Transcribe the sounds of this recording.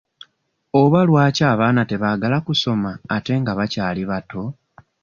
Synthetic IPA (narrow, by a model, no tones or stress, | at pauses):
oβalwaːcaːβaːnate̞βaːɡalakuso̞maːte̞ŋɡaβacaːliβato̞